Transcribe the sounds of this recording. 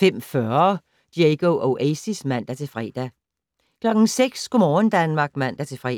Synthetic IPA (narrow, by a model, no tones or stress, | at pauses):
fem̰fɶɐ | d̥ieɡ̥oʔoʔḛːsismæn̰d̥æt͡sʰe̝lfʁɛ̰ːd̥æ | kʰlɒ̽ɡ̥n̩seɡ̥skʰomɒːnd̥ænmɑ̈ːɡ̥mæn̰d̥æt͡sʰe̝lfʁɛ̰